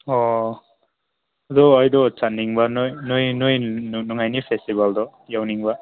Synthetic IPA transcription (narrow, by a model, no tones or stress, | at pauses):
ɔ | d̪ɔːjd̪ɔt͡sanːiŋbanojnojnɯjnuŋajnipʰestibald̪ɔ | jawniŋba